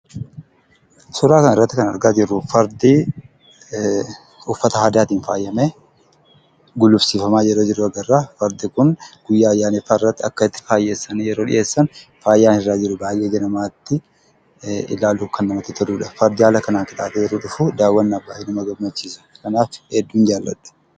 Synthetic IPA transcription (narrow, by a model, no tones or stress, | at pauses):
sɔɾaːkɐnɪrːɐt̪ːɪkɐnɐ̰ɾɡaːd͡ʒɪɾːʊfɐɾd̪i | ʊfːɐt̪ɐhaːd̪aːt̪iːnfa̰ːjːɐmeː | ɡʊlːʊbsiːfɐmaːd͡ʒɛɾod͡ʒɪɾʊɐɡɐrːaːfɐɾd̪ɪkʊnɡ̥ʊjːaːjːaːnɛfaːrːɐt̪ːɪɐkːɐɪt̪ːɪ̥faːjːeːsːɐnijɛɾo̞ːᶑɪ̰ʔe̞ːsːɐnfaːjːaːnɪrːaːd͡ʒɪɾʊbaːjeːd͡ʒɛnɐmaːt̪ːɪ | ɪ̰laːluːkɐnːɐmɐt̪ːɪt̪ʰɐᶑuːᶑɐfɐɾd̪ɪhaːlɐkɐnaːŋkɪt̪ʼaːt̪ɛjɛɾuᶑʊfʊd̪aːwːɐnːɐbːaːɪnɐmɐɡɐbmɐt͡ʃːiːsɐ̥kɐnaːfhɛd̪ːuːnd͡ʒaːlːɐ̰ᶑu̥